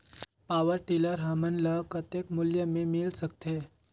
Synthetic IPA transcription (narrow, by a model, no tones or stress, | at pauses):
paʋəɾʈiləɾɦamənləkət̪ekmʊljəmemilsəkt̪e